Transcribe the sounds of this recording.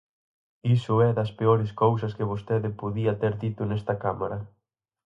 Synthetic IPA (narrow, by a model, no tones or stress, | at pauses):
isʊɛðɐspeoɾɪskowsɐskɪβ̞ost̪eðɪpoðiɐt̪eɾðit̪ʊnɛst̪ɐkamaɾɐ